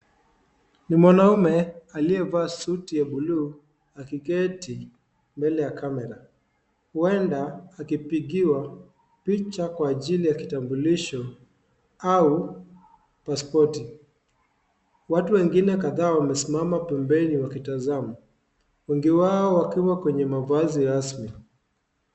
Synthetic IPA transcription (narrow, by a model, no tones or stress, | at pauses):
nimwanaumɛaliɛvaːsutijaɓuluː | akikɛti | mbɛlɛjakamɛɾa | huɛndaːkipiɠiwa | pit͡ʃakwaːʄilijakitambuliʃɔ | au | paspɔti | watuwɛŋɡinɛkaðaːwamɛsimamapɛmbɛniwakitazamu | wɛŋɡiwaɔwakiwakwɛɲɛmavaziɾasmi